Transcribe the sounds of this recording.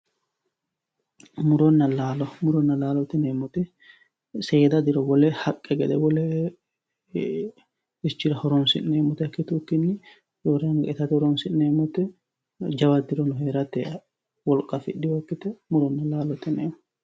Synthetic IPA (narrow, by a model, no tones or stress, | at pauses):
mʊɾɔnːɐlaːlɔmʊɾɔnːɐlaːlɔt̪ɛneːmɔt̪ɛ | seːd̪ɐd̪ɪɾɔbɔlɛhɐkʼːɛɡɛd̪ɛbɔlɛ | ɪt͡ʃːɪɾɐhɔɾɔnsɪ̰nneːmɔt̪ɛɐkːɪt̪ʊkːɪnːɪ | jɔɾɐŋɡɐɛt̪ɐt̪hɔɾɔnsɪʔneːmɔt̪ɛ | d͡ʒɐwɐd̪ɪɾɔnɔɦeːɾɐt̪ɛ | wɔlkʼːɐfɪ̰ɗːɪwɔkːɪt̪ɛmʊɾɔnːɐlaːlɔt̪ɛneːmɔ